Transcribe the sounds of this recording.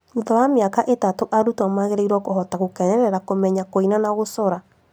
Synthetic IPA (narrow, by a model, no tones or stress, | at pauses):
uðɔwameakaʔetatoʔaɾutwamaɣeɾeiɾwɔkoɦɔtaɣokɛnɛɾɛɾakomɛɲakoinanaɣosɔɾa